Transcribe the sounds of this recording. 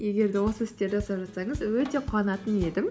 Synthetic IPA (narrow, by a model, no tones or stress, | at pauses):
je̞ɡʲe̞ɾd̪ewo̞səɪst̪ːe̞ɾd̪esɑpʒɑt̪sɑɴəzwɵt̪e̞qʰʊɑnɑt̪əne̞d̪ɪm